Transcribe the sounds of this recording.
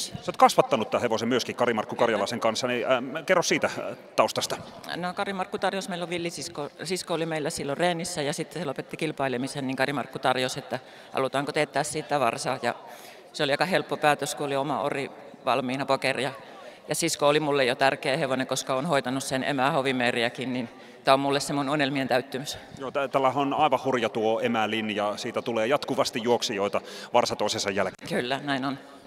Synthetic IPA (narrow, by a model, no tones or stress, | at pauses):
soːt̪kɑsʋɑt̪ːɑnut̪t̪æːheʋosemyøskikkɑrimɑrkːukɑrjɑlɑˑiseŋkɑnsːɑnikerːossiːt̪æt̪ɑˑust̪ɑst̪ɑ̥ | nokɑrimɑrkːut̪ɑrjosmeilːoʋilːisiskosiskoolimeilːæsilːoreːnisːæjɑsit̪ːeselopet̪ːikilpɑilemisenniŋkɑrimɑrkːut̪ɑrjoset̪ːæ | hɑ̰lut̪ɑːŋkot̪et̪ːæːssiːt̪ːæʋɑ̰rsɑːjɑ̰ | seoliɑkɑhelpːopæːt̪øskuoliomɑ̰o̰ri | ʋɑ̰lmiːnɑpokerjɑ | jɑsiskoolimulːejot̪ærkeːheʋonekoskɑonhoit̪ɑnussenḛmæhoʋimeːriækinnin | t̪æommulːessemununelmient̪æyt̪ːymysjoːt̪æt̪ælːæhæonɑˑiʋɑhurjɑt̪uoemælinjɑsiːt̪æt̪uleːjɑt̪kuʋɑst̪ijjuoksijoˑit̪ɑʋɑrsɑt̪oˑisesɑjjælkylːænæinon